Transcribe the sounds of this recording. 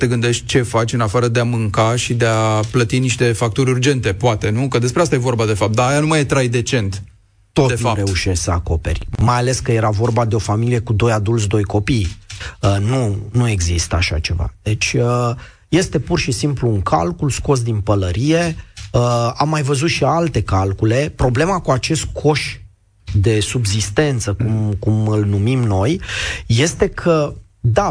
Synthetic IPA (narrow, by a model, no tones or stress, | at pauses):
t̪e̞ɡɨnd̪e̞ʃt̪̚ʲt͡ʃe̞fat͡ʃʲɨnafaɾəd̪eamɨŋkaʃid̪eaplət̪iniʃt̪e̞fak̚t̪uɾʲurd͡ʒe̞nt̪e̞poat̪e̞nukəd̪e̞spɾeast̪ajevo̞ɾbad̪e̞fap̚t̪d̪aːjanumajt̪ɾajd̪e̞t͡ʃe̞nt̪ | t̪o̞t̪eare̞uʃessəa̰ko̞pe̞̰rʲmajale̞skəje̞ɾavo̞rbad̪e̞o̞familije̞kud̪o̞jad̪ult̪s̬ʲd̪o̞jko̞pijənunue̞ɡzist̪əaʃa̰t͡ʃe̞va̰d̪̥e̞t͡ʃʲə | je̞st̪e̞purʃisimpluːŋkʰa̰lkulsko̞s̬d̪inpələɾije̞əamːajvəzut̪ʃialt̪e̞kalkule̞pɾo̞ble̞makuat͡ʃe̞st̪kʰo̞ʃ | d̪e̞subzist̪e̞nt̪səkumkumɨlnumimno̞jːe̞st̪e̞kʰə | d̪a